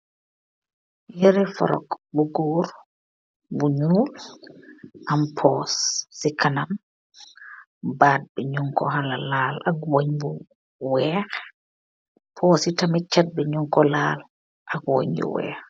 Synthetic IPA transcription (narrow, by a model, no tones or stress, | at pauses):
jɛɾɛfɔ̰ɾɔ̰kbuɡuːɾ | buɲuːl | ʔampʰɔːsːikʰanam | baːd̚bɛɲuŋkɔ̰ɦalalalʔakwoɲbu | wɛːɾɛ | pʰɔsitamit͡ʃːad̚bɛɲuŋkɔlaːl | ʔakwo̰ɲbṵwɛ̰ːɾ